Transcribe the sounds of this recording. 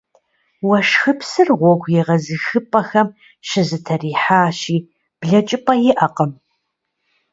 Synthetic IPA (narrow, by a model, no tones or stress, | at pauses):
wɐʃxɨpsɨrʁʷɔɡʷjɛʁɐzɨxɨpʼɐxɐm | ʃɪzɨtʰɐriːħaːɕiː | b̥ɮɐt͡ʃʼɪpʼɐjɪʔɐqəm